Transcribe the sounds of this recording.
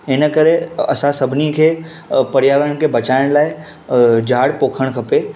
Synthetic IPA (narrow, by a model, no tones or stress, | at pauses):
ɪnəkəɾeɐ̰sãsɐbʱnikʰeː | pɐɾɪjaːʋəɽ̃kʰebɐt͡ɕaːɪɽ̃laːɪ | d͡ʑʱaːɽpoːkʰəɽ̃kʰɐpe